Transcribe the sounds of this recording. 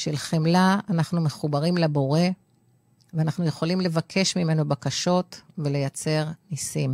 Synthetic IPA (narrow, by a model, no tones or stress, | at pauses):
ʃelχemlaanaχnume̞χubaʁimlabo̞ʁe̞ | veanaχnuje̞χo̞limle̞vakʰe̞ʃmime̞no̞bakaʃo̞tve̞le̞jat͡se̞ʁnisim